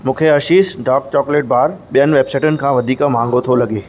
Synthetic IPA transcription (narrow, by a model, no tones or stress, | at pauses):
mũːkʰeɐʃiːsɖaːk̚t͡ɕɔːkleːʈ̚baːɾɓijənɪ̆ʋeːbsaɪʈʊnɪ̆kʰãːʋɐd̪ʱiːkmãːŋɡʱot̪ʰolɐɠeː